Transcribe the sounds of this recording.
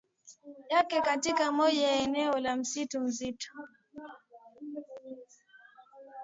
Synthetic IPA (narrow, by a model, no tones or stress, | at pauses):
jakɛkatikamɔʄajɛnɛɔlam̩situm̩zitu̥